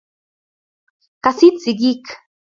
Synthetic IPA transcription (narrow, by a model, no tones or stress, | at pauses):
kasit͡siɡik